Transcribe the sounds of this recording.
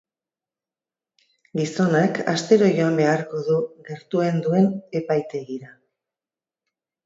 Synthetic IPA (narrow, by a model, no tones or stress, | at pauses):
ɡiso̞naka̰st̪e̞ɾo̞ʝo̞ambe̞aɾko̞ðuɣe̞ɾt̪ue̞nd̪ue̞ne̞pajt̪e̞ɣiɾa